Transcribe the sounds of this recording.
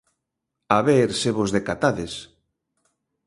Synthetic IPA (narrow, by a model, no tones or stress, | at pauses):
aβeɾseβozðekat̪aðes